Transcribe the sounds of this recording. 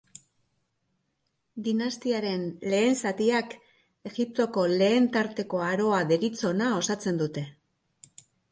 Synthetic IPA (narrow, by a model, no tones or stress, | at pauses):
d̪inast̪iaɾe̞nle̞ːnsat̪iak | e̞ɣip̚t̪o̞ko̞le̞ːnt̪aɾt̪e̞ko̞aɾo̞aðe̞ɾit͡so̞nao̞sat͡se̞nd̪ut̪e̞